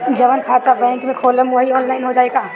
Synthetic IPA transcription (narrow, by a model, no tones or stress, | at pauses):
d͡ʒɐʋənkʰaːt̪abəẽkimẽkʰoːləmʋɐɦiɔːnlaːɪnɦod͡ʒaːeːɡaː